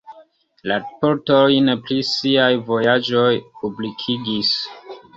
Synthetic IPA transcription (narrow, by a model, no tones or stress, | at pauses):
laɾpoɾto̞jneplisiajvo̞jad͡ʒo̞jpublikʰiɡis